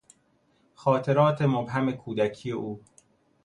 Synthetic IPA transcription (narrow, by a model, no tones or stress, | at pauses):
xɒːt̪ʰe̞ɾɒːt̪ʰe̞mobɦæme̞kʰuːd̪æcʰijeʔuː